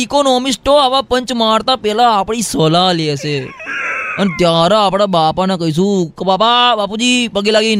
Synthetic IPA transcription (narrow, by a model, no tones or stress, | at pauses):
ikonomisʈoaʋapəɲt͡ʃmaɽt̪apɛɦlaːpəɽ̃isəlalet͡ʃe | ənet̪jaɾaːpɽ̃abapanakəɦiʃ̬ũkebapabapud͡ʒipəɡilaɡi